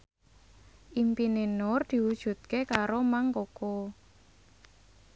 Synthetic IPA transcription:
ʔimpinenɔrd̪̥i̤wud̥ʒ̥ṳt̪̚kekaɾomaŋkoko

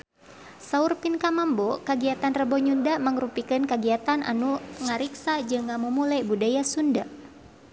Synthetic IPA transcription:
saurpinkamambokəɡiat̪anrəbɔɲundaməŋɾupikɨnkəɡiat̪anʔa̰nuŋaɾiksad͡ʒɨŋamumulajbudajasunda

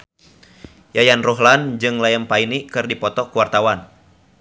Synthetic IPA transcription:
jajanrɔɦland͡ʒɨŋlajəmpainikɨrdipɔt̪ɔkuwart̪awan

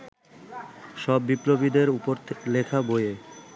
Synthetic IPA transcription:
ʃɔbːipɾobid̪eɾupoɾlekʰaboje

